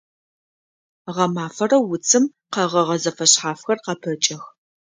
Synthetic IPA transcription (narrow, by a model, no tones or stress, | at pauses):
ʁɐmaːfɐrɐwʊt͡sʰʼɨm | qɐʁɐʁɐzɐfɐɕħaːfxɐrqɐpʰɐt͡ʃʼɐx